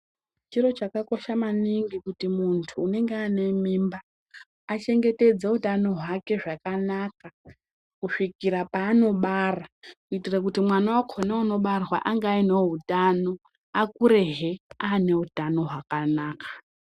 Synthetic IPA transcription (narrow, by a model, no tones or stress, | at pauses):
t͡ʃiro̞t͡ʃakako̞ʃamaniŋɡikutimuntʰuːne̞ŋɡeane̞mimbaː | t͡ʃe̞ŋɡe̞te̞d͡zeutano̞ɦwake̞ʐakanaka | kuʂikiɾapaːno̞ɓarakuitirak̬utimwanawakʰonauno̞ɓarwa̰ʔaŋɡaineɦutano̞ | akuɾe̞ɦeane̞utano̞ɦwakanaːkḁ